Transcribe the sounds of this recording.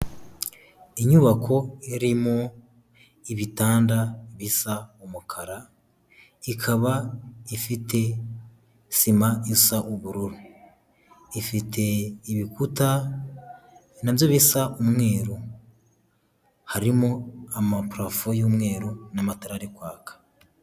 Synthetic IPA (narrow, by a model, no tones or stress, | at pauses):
iɲuβakʰo̞eɾimo | iβitaːndaβisaumukʰaɾa | ikʰaβaifite̞ | simaisaʔuβuɾuɾu | ifitʰe̞iβikuta | navjoβisaumŋe̞ːɾo | haɾimoamapɾafojuːmŋe̞ːɾonamataɾaɾikwaːkḁ